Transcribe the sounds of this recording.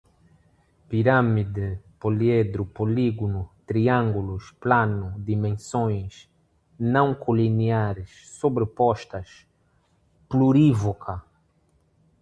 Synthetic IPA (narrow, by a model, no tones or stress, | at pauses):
piɾamid̪ɪpolied̪ɾupoliɡunut̪ɾiãŋɡulusplanʊd̪imẽnsõj̃s | nɐ̃w̃kʰoliniaɾɪʃ | sobɾɪpɔʃt̪ɐʃ | pluɾivokʰɐ